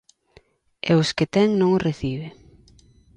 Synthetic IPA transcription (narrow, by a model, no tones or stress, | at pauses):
ḛʊsket̪ɛŋnõŋʊreθiβɪ